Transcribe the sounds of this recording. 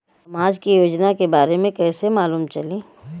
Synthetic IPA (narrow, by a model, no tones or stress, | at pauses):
ɐmaːd͡ʒkijoːd͡ʒnakebaːɾemẽkɛːsemaːluːmt͡ʃɐlẽː